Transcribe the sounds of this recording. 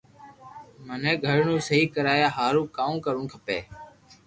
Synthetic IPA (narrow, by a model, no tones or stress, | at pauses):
mənẽːɡʱəɽ̤ɳũːsəɦiːkəɾaːjaːɦaːɾũːkaːũːkəɾʊ̃ːkʰəpeː